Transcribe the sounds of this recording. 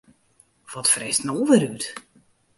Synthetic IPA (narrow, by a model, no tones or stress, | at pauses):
ʋɔtfrɛstnoːʋɪɾyt